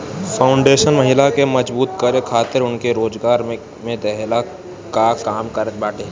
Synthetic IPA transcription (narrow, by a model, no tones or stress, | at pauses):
fʰaːʊ̃ɳɖeːʃənmɐɦɪlakemɐd͡ʒbuːt̪kəɾekʰaːt̪ɪɾʊnkeɾoːd͡ʒɡaːɾmẽ | mẽd̪ɛɦla | kakaːmkɐɾəbaːʈe